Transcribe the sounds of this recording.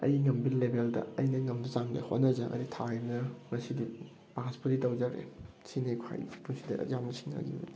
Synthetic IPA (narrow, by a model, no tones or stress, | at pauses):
ɐ̰jŋɐmbilebeldɐ̰ɐjnɐŋɐmdɐt͡ʃaŋlḛhotnɐzɐŋʔɐ̰ɾitʰaebnɐmɐsidi | paspuɾitɐwd͡ʒaɡɾḛ | sinekʰa̰jpusidɐɐ̰zamnɐsʰiŋna̰ɡḭbɐ̰di